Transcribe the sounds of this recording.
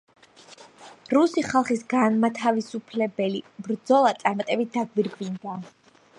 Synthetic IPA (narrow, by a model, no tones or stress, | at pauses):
ɾusiχalˠχisɡanmat̪ʰavisupʰlɛbɛlibɾd̪zɔlˠat̪sʼaɾmat̪ʼɛbit̪̚d̪aɡwiɾɡvind̪a